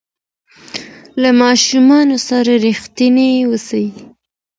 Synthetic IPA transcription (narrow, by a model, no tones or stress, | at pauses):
lamɑʃumɑnosaɾaɾixt̪inewəsawi